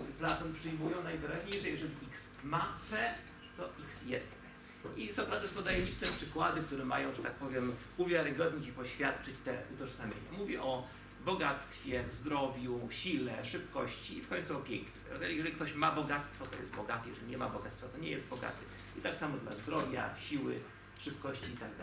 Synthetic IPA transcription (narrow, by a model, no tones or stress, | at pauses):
plat̪ɔnpʂɘjmujɔ̃w̃najvɘɾaʑɲejʂɛjɛʐɛlʲiiks | mafɛ | t̪ɔʔiksjɛst̪t̪ɛ | isapɾad̪ɛst̪ɔd̪ajɛlʲit͡ʂnɛpʂɘkwad̪ɘk̚t̪uɾɛma̰jɔ̃w̃ʐɛt̪ak̚pɔvʲjɛm | uvʲjaɾɘɡɔd̪ɲit͡ɕipɔɕfʲjat̪t͡ʂɘt͡ɕt̪ɛ̰ʔut̪ɔʐsamʲḛɲa̰muvʲɛʔɔ | bɔɡat̪st̪fʲjɛzd̪ɾɔvʲjuɕilɛʂɘpkɔɕt͡ɕiːfkɔɲ̃t̪suɔpʲjɛ̰ŋkɲɛɛjɛʐɛlikt̪ɔɕmabɔɡat̪st̪fɔt̪ɔjɛst̪bɔɡat̪ɘjɛ̰ʐɛlʲiɲɛma̰bɔɡat̪st̪fɔt̪ɔɲɛ̰jɛszd̪bɔɡa̰t̪ɘ | it̪aksamɔd̪la̰zd̪ɾɔvʲja̰ɕiwɘ̰ | ʂɘpkɔɕt͡ɕiːt̪aɡd̪a